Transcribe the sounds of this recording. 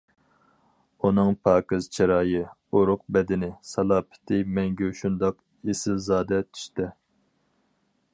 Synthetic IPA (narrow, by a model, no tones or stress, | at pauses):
unɨŋpʰɑːkɨzt͡ʃʰiɾɑːjɨ | oɾʊq̚bɛd̪ɪnɪsɑlˠɑːpʰɪ̥t̪ʰɪmɛŋɡʲɛʃund̪ɑq | esɪlzɑːd̪ɛt̪ʰy̥ʃt̪ɪ